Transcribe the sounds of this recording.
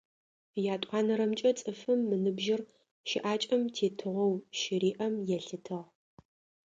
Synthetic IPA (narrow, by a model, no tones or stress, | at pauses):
jaːtʷʼɑːnɐɾɐmt͡ʃʼɐt͡sʼɨfɨmːɨnɨbʒɪr | ʃɪʔaːt͡ʃʼɐmtʰeːtʰɨʁʷɐwʃɪɾiːʔɐmjɛɬɨtʰɨʁ